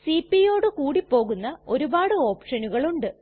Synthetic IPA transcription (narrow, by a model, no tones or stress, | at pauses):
sipːijo̞ːɽɨkuːɽipːo̞ːɣunːɐo̞ɾubaːɽɨo̞ːpʂɐnuɣɐɭuɳɖɨ